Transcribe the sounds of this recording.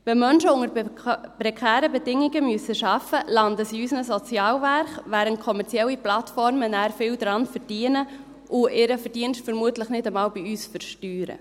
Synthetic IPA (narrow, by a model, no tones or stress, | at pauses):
ʋɛmœnʃəʊŋəɾpɾɛkʰæːɾəbɛdɪŋɪɡəmyəsəʃɑfəlɑndəsiysənəsɔt͡sjɑːlværɾχʋæːɾənt̚kʰɔmɛɾt͡siɛlːiplɑtfɔrmənæːɾfɪldɾɑnfərd̥iənə | ʔʊɪɾəfəɾd̥iənʃtfəɾmuətləχnɪdəmɑːlbiyːsfərʃtyːɾə̰